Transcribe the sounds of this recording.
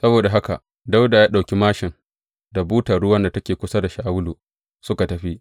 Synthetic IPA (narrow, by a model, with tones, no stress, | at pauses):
sɐ˦boː˨da˨ɦa˦ka̰˨ʔ | da˦wda˨jaː˦ɗa˨wkʲi˦maː˦ʃɪ˨ŋ | da˨buː˦tɐ˨ɽʊ˦wɐ˦nda˨tɐ˦kʲeː˨kʷʊ˦sa˦da˨ʃaː˨wʊ˦luː˨ | sʊ˦ka˨tɐ˨ɸi˦ʔ